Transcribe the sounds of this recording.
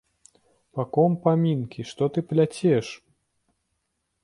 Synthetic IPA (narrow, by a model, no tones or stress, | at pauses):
pɐkɔmpamʲinkʲiʂt̪ɔt̪ɨplʲat͡sʲɛʂ